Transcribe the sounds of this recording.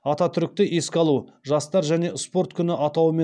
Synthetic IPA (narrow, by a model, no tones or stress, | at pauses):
ɑt̪ɑt̪ʰʏɾɪk̚ʲt̪ɪʔe̞skʲɑlˠuʒɑst̪ɑɾʒæne̞ʔɪspo̞ɾt̪kʲʰʏnɪʔɑt̪ɑwəme